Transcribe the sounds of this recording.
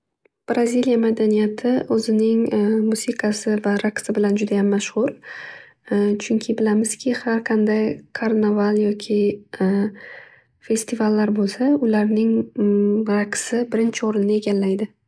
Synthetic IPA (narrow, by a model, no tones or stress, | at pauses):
b̥ɾazʲilijamad̪anijat̪ʰɪʔɵzɪnɪŋmʊsiqʰɑsɪvaɾaqsɪbɪland͡ʒʊd̪ajamːaʃʁʊɾ | t͡ʃʰʊŋkʲʰɪbɪlamɪz̥kʲʰɪhaɾqʰɑnd̪ajkʰaɾnavalˠjɒkʲʰɪ | fe̞st̪ʰivalːaɾbolˠsaʊlaɾnɪŋ | ɾaqsɪbɪɾɪnt͡ʃʰɪoɾɪnnɪe̞ɡʲallːajd̪ɪ